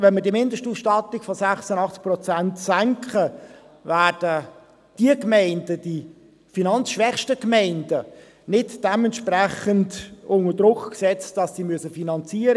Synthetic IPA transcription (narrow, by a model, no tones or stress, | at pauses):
vɛnmədimɪndəʃtuːsʃtɑtːɪkfɔsæχsənɑχt͡sk̚prɔt͡sæntsæŋkʰχə | væːɾd̥ə | d̥iəkmɛɪndəd̥i | finɑnt͡sʃʋɛχʃtəkmɛɪndə | nɪtd̥ɛmɛntʃprɛχəntʊnəd̥rʊkksɛt͡std̥ɑsːimyəsəfinɑnt͡siːəɾə